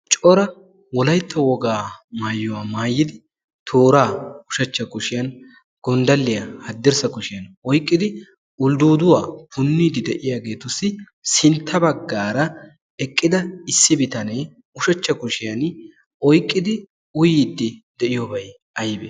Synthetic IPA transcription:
t͡ʃʼɔɾɐ | wɔlɐjt̪ːɐwɔɡaːmaːjːʊwaːmaːjːɪd̪ɪ | t̪ʰoːɾaːʊʃɐt͡ʃːɐkʊʃɪjɐn | ɡ̥ɔnd̪ɐlːɪjɐhɐd̪ːɛɾsɐkʊʃɪjɐnɔjkʼːɪd̪ɪ | ʊld̪uːd̪ʊwaːpʊnːiːd̪ɪd̪ɛʔɪjaːɡe̞ːt̪ʊsːɪ | sɪnt̪ʰːɐbɐɡːaːɾɐ | ɛkʼːɪd̪ɐɪsːɪbɪt̪ɐneː | ʊʃɐt͡ʃːɐkʊʃɪjɐn | ɔjkʼːɪd̪ɪ | ʊjid̪ːɪd̪ɛʔɪjobɐj | ɐjbɛ

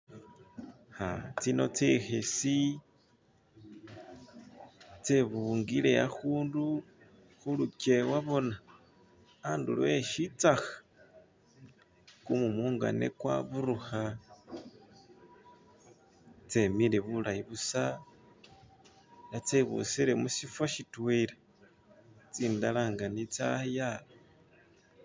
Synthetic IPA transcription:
xa̰t͡sino̞t͡sexesi | t͡seβuŋɡile̞jaxuːndu | xuluce̞waβo̞na | aːndṵlweʃit͡saxḁ | kumumuːŋɡa̰nḛkwa̰βuɾuxa | t͡semileβulaiβusa | nat͡seβṵsiɾemusifaʃitwele | t͡siːndalaːŋɡanit͡sajaβo

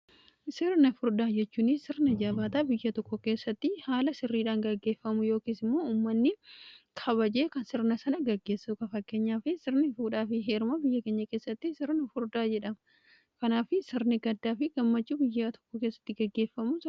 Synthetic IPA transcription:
sɪɾnɐfʊɾd̪aːd͡ʒɛt͡ʃːuːnɪssɪɾnɐd͡ʒaːbaːt̪aːbɪjːɐt̪ɔkːɔke̞ːsːɐt̪ːɪhaːlɐsɪrːiːᶑaːŋɡɐɡːe̞ːfːɐmʊjo̞ːkiːsɪmːo̞ːuːmːɐnːɪkʰɐβɐd͡ʒe̞ːkɐnsɪɾnɐsɐnɐɡɐɡːe̞ːsːukɐfɐkːeːɲːaːfɪsɪɾnɪfuːᶑaːfɪɦe̞ːɾʊmɐbɪjːɐke̞ːɲːɐke̞ːsːɐt̪ːɪsɪɾnɐfʊɾd̪aːd͡ʒɛᶑɐm | kɐnaːfɪsɪɾnɪɡɐd̪ːaːfɪɡɐmːɐt͡ʃːuːbɪjːɐt̪ʰɔ̥kːɔke̞ːsːɐ̥t̪ːɪɡɐɡːe̞ːfːɐmʊs

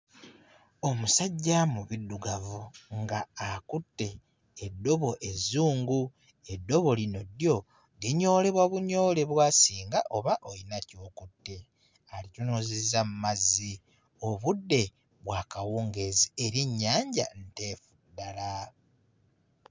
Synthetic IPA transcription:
o̞musaɟːamuβidːuɡavuŋɡaːkutːe̞ː | dːo̞βo̞ʔe̞zuːŋɡu | e̞dːo̞βo̞lino̞djo̞ | ɡiɲo̞ːle̞βwaβuɲo̞ːle̞βwaːsiːŋɡaʔo̞βaʔojinaco̞ːkutːe̞ | alitunoːzezamumazːi | o̞βudːe̞ | βwaːkawuːŋɡe̞zieɾeɲːaːɲɟa̰nte̞ːfudːala

